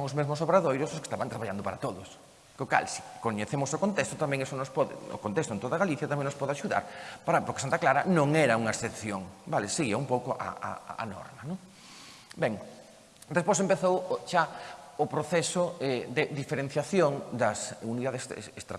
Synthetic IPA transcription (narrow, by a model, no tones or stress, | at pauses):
ŋʊzmezmʊs̬oβɾaðojɾʊsʊske̥st̪aβant̪ɾaβaʎand̪ʊpaɾɐt̪oðʊs | koka̰lsi̥koɲeθemʊsokõnt̪est̪ʊt̪amɛ̃ŋesonospɔðɪ̰ʊ̰kont̪est̪ʊent̪oðɐɣaliθjɐt̪amɛ̃ŋnospɔðeaʃuða̰ɾpaɾɐpoɾke̥sant̪aklaɾɐnõŋɛɾɐuŋɐesθeθjoŋbalɪseɣiɐumpowkoʔɐ̰a̰a̰nɔ̰ɾmɐnõŋ | bɛŋ | d̪espojs̬ẽmpeθowʃaʊpɾoθɛsʊɛd̪ɪðifeɾen̟θjaθjoŋd̪ɐsuniðaðesest̪ɾa